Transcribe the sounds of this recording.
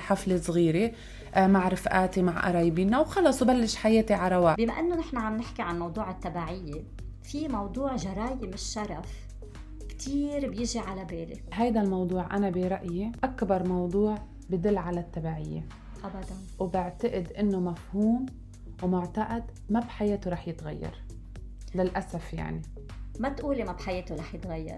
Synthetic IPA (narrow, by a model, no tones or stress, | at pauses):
ħaflesˤɣiːɾe | maʕɾɪfʔaːt̪imaʕʔɑ̰ɾˤɑːjbiːnːawxɑlɑːsˤwbalːɪʃħajeːt̪iʕɑɾˤɑwaːbima̰ʔɪnːonɪħnaʕamnɪħkiʕanmɑwd̪ˤuːʕɪt̪ːabaʕɪjːe | fimɑwd̪ˤuːʕʒɑɾˤɑːjɪmɪʃːɑɾˤɑf | kt̪ʰiːɾbjɪʒiʕalabeːlḛɦajd̪almɑwd̪ˤuːʕʔa̰nabiɾˤɑʔjiʔakbɑɾˤmɑwd̪ˤuːʕ | bɪd̪ɪlːʕalat̪ːabaːʕɪjːḛ | ʔabad̪anwbɪʕt̪aʔɪd̪ʔɪnːomafhuːm | wmʊʕt̪aʔad̪ | mabħajeːt̪oɾˤɑːħjɪt̪ɣajːɑ̰ɾˤ | lɪlʔasafja̰ʕni | mat̪ʔuːlimabħajeːt̪oɾˤɑːħjɪt̪ɣajːɑ̰ɾˤ